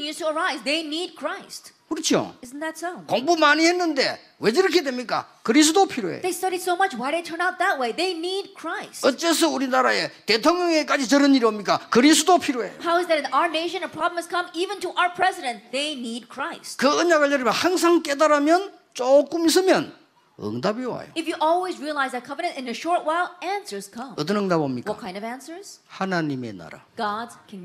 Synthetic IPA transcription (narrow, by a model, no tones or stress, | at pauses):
njustuəɹaɪzðeɪnid̚kʰɹ̥aɪstkɯɾʌt͡ɕʰio̰ɪzn̩ðætsoʊkoŋbumaɲihenːɯnde̞̰ | wed͡ʑiɾɯkʰedwemɲik͈a̰kɯɾis̬ʰudopʰiɾo̰ḛðeɪstʌɾidsoʊmʌt͡ʃwaɪɾetʰə̃˞naʊt̪̚ðæt̚weɪðeɪnid̚kʰɹ̥aɪsʌt͡ɕ͈es̬ʌuɾinaɾa̰jet̪etʰoŋɲʌŋek͈ad͡ʑit͡ɕʌɾɯniɾiomɲik͈akɯɾisʰudopʰiɾoḛjohaʊɨzðɨɾɨ̃naʊə˞neɪʃɨ̃nəpʰɹ̥ɑbləmɨz̥kʰʌ̃mivɨ̃ntəʔaʊə˞pʰɹ̥ɛzɪɾɨ̃ntðeɪnid̚kʰɹ̥aɪstkɯʌɲaɡɯɭʎjʌɾɯmjʌnhaŋs̬ʰaŋk͈edaɾamjʌn | t͡ɕok͈ɯmis̬ɯmjʌn | ɯ̰ŋdabiwa̰jo̰ɨfjɨʔɔlˠwizɹiəlaɪzɨt̚kʰʌvɨñɨ̃ntɨ̃nɨʃɔɹtwaɪlˠæ̃nsə˞z̥kʰʌ̃mʌt̬͈ənʌŋdabomɲikwʌtakʰãɪ̃ndʌvæ̃nsə˞z̥hanaɲime̞̰na̰ɾa̰ɡ̥ɑdz̥kʰɨ̃n